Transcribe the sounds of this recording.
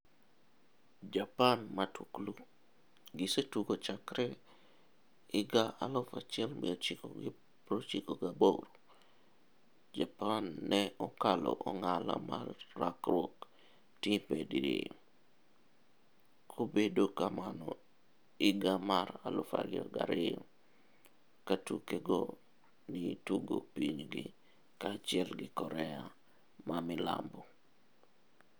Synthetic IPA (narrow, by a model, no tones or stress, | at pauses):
d͡ʒapanmatwuklu | ɡisetuɡot͡ʃakɾɛ | ɪɡaʔalʊfat͡ʃɛlmḭot͡ʃiko̰ɡ | pɾot͡ʃikoɡabowɾo | d͡ʒapanːɛɔkalɔ̰ʔɔŋala̰ma̰rːakɾwok | tipediɾi | kʰobedokamanɔ | iɡamaɾalufa̰ɡiɡaɾɪ | katukeɡo | nituɡopiɲɡḭ | kat͡ʃɪɛlɡɪkɔɾɛa | mamɪla̰mbɔ